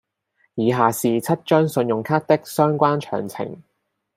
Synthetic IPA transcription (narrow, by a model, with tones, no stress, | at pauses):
jiː˨˧ɦaː˨˩siː˨t͡sʰɐ˥t̚t͡ʃœː˥ŋsɵ˧njʊ˨˩ŋkʰaː˥t̚t̪ɪ˥k̚sœː˥ŋkʷaː˥nt͡ʃʰœ̰ː˨˩ŋt͡sʰɪ̰˨˩ŋ